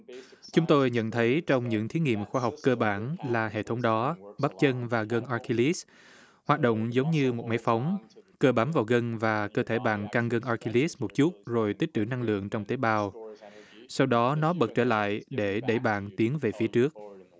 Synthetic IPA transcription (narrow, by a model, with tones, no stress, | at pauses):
t͡ɕʊ˨˦ŋ͡mt̪o˧jɲə̰˧˨nt̪ʰə˨˦jt͡ɕɔ˧wŋ͡mɲɨ̰˧˥ŋt̪ʰi˨˦ŋḭ˧˨əmxwaː˧ɦa˨˩wk͡p̚kəː˧ɓaː˧˩nlaː˨˩ɦḛ˧˨t̪ʰə˨˦wŋ͡mɗɔ˨˦ɓaː˦˥p̚t͡ɕə˧nvaː˨˩ɣə˧nʔaː˧ki˧li˦˥s | hwaː˨˩t̚ɗo̰˧˨wŋ͡mzə˨˦wŋ͡mɲɨ˧mo˨˩t̚ma˨˦jfa˨˦wŋ͡mkəː˧ɓaː˨˦mvaː˨˩wɣə˧nvaː˨˩kəː˧t̪ʰe˧˩ɓa̰ː˧˨nkaː˧ŋɣə˧nʔaː˧ki˧li˦˥smo˨˩t̚t͡ɕu˦˥t̚zo˨˩jt̪i˦˥k̟̚t̪ɨ̰˧˩na˧ŋlɨ̰˧˨əŋt͡ɕɔ˧wŋ͡mt̪e˨˦ɓaː˧w | sa˧wɗɔ˨˦nɔ˨˦ɓə˨˩t̚t͡ɕəː˧˩la̰ː˧˨jɗe˧˩ɗə˧˩jɓa̰ː˧˨nt̪i˨˦ənve˨˩fi˨˦ət͡ɕɨ˦˥ək̚